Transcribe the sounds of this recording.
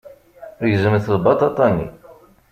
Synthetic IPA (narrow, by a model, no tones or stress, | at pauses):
ðʝzəməθðˤbɑt̪ˤɑt̪ˤɑnːḭ